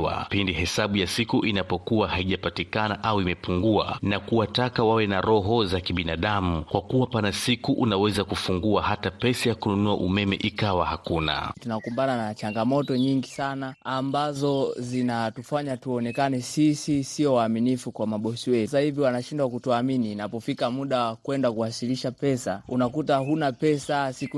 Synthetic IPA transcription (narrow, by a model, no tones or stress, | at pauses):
wa̰pindihɛsaɓujasikuʔinapɔkuwahaiʄapatikanaʔauimɛpuŋɡua̰nakuwatakawawɛnaɾɔɦɔzakiɓinaɗamukwakuwapanasikuʔunawɛzakufuŋɡuahatapɛsajakununua̰ʔumɛmɛ̰ʔikawahakuna̰tunakumbananat͡ʃaŋɡamɔtɔɲiŋɡisanaːmbazɔzinatufaɲatuɔnɛkanɛsisisiɔwaːminifukwamaɓɔsiwɛsahiviwanaʃindwakutuaminiːnapɔfikamuɗawakwɛndakuasiliʃapɛsaunakutaɦunapɛsasiku